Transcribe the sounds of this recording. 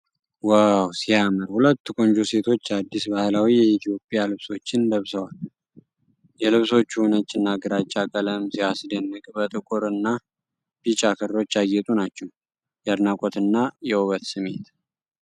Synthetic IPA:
wawsijamɨɾhulət̪ːukʼo̞ɲd͡ʒuse̞t̪ʰo̞t͡ʃːad̪ːisbahlawijɛit̪ʰijo̞pʼjalɨβso̞t͡ʃːɪnd̪əβsəwal | jɛlɨβso̞t͡ʃːuhnət͡ʃʼːɪnːaɡɨɾat͡ʃʼːakʼələmsijasɨd̪ənːəkʼbət̪ʼɨkʼuɾɨnːa | bit͡ʃʼakʰəɾo̞t͡ʃːajɛt̪ʼunat͡ʃːɛw | jaɾnakʼot̪ʰɨnːajɛwuβət̪sɨme̞̰t̪

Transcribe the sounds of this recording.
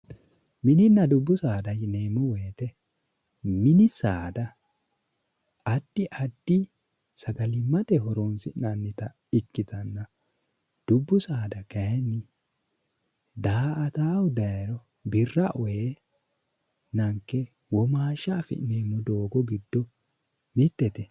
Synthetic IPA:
mɪnɪnːɐd̪ʊbːʊsaːd̪ɐjneːmɔweːt̪ɛ | mɪnɪsaːd̪ɐ | ɐd̪̥ːɪʔɐd̪ːɪ | sɐɡɐlɪmːɐt̪ɛɦɔɾoːnsɪnɐnːɪt̪ɐ | ɪkːɪt̪ɐnːɐ | d̪̥ʊbːʊsaːd̪ɐkɐjɛnːɪ | d̪aːʔɐt̪aːwʊd̪ɐjɾɔ | bɪrːɐʔɔje | nɐŋkːɛ | wɔmaːʃaːfɛ̰neːmʊd̪oːɡɔɡɪd̪ːɔ | mɪt̪ːɛt̪ɛ

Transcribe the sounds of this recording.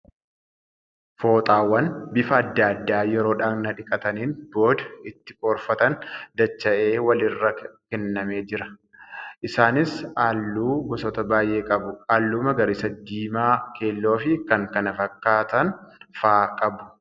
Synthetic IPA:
fo̞ːt̪ʼaːwːɐnbɪfɐːd̪ːɐːd̪ːaːjɛɾo̞ːᶑaːnnɐᶑɪkʼɐt̪ɐniːnbo̞ːd̪ɐɪt̪ːɪ̥kʼoɾfɐt̪ɐnd̪ɐt͡ʃːɐʔe̞ːwɐlɪrːɐkɛnːɐme̞ːd͡ʒɪɾɐ | ʔɪsaːnɪsaːlːuːɡɔsɔt̪ɐbaːjʔe̞ːkʼɐbʊaːlːʊmɐɡɐɾɪsɐd̪iːmaːke̞ːlːo̞ːfɪkɐŋkɐnɐfɐkːaːt̪ɐnfaːkʼɐbʊ̥

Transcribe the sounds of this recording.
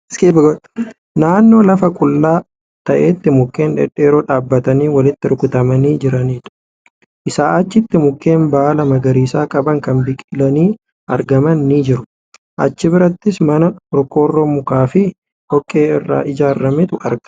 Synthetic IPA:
skeːbɐɡɔ | naːnːo̞ːlɐfɐkʼʊlːaː | t̪ɐʔeːt̪ːɪmʊkːe̞ːnᶑɛ̰ᶑeːɾoːᶑaːbːɐt̪ɐniːwɐlɪt̪ːɪɾʊkʊt̪ɐmɐniːd͡ʒɪɾɐniːt̪ʼʊ̥ | ʔɪsaːʔɐt͡ʃːɪt̪ːɪmʊkːe̞ːnbaːlɐmɐɡɐɾiːsaːkʼɐbɐŋkɐnbɪkʼɪlɐniː | ʔɐ̰ɾɡɐmɐnːiːd͡ʒɪɾʊ | ʔɐ̰t͡ʃːɪbɪɾɐt̪ːɪsmɐnɐɾkːo̞ːrːɔmʊkaːfɪ | hɔkʼːe̞ːɪrːa̰ːʔɪd͡ʒaːrːɐmɛt̪ʊʔɐ̰ɾɡɐ̥

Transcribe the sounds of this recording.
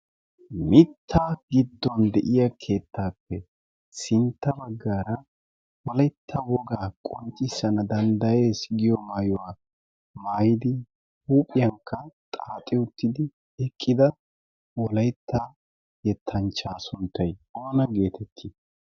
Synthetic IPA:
mɪt̪ʰːaɡɪd̪ːɔnd̪ɛʔɪjɐkʰe̞ːt̪ːaːpːɛ | sɪnt̪ːɐbɐɡːaːɾɐ | wɔlɐjt̪ʰːɐwɔɡaːkʼɔnt͡ʃʼːɪsːɐnɐd̪ɐnd̪ɐje̞ːsɡɪjɔmaːjɔwaː | maːjɪd̪ɪ | huːpʼɪjɐŋkʰːɐt̪ʼaːt̪ʼɪʊt̪ːɪd̪ɪ | ɛkʼːɪd̪ɐ | wɔlɐjt̪ʰːa | jɛt̪ʰːɐnt͡ʃːaːsʊnt̪ːɐjo̞ːnɐɡe̞ːt̪ʰɛt̪ʰːɪ

